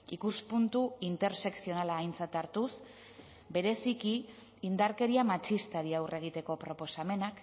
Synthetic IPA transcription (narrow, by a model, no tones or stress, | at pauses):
ikuspunt̪uint̪e̞ɾse̞ksio̞nalaːjnt͡sat̪aɾt̪us | be̞ɾe̞sikiː | nd̪aɾke̞ɾiamat͡ʃist̪aɾiawrʔe̞ɣ̞it̪e̞ko̞pɾo̞po̞same̞nak